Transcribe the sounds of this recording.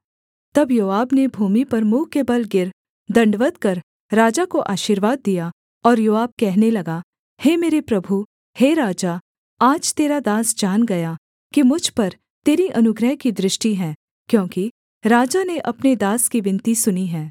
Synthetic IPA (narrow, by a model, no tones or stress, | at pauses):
t̪ɐbjoːaːbnebʱuːmipɐɾmʊkkebɐlɡɪɾ | d̪ɐ̃ɳɖʋəd̪kɐɾ | ɾaːd͡ʒakoʔaːʃiːɾʋaːd̪ːija | ɔːɾjoːaːb̚kɛɦnelɐɡa | heːmeːɾepɾɐbʱu | heːɾaːd͡ʒa | aːd͡ʒt̪eːɾad̪aːsd͡ʒaːnɡɐja | kimʊd͡ʒʱpɐɾ | t̪eːɾiʔɐnʊɡɾəɦkid̪ɾɪʃʈiɦɛ̃ː | kjõːki | ɾaːd͡ʒaneʔɐpned̪aːskiʋɪ̃nt̪isʊniɦɛː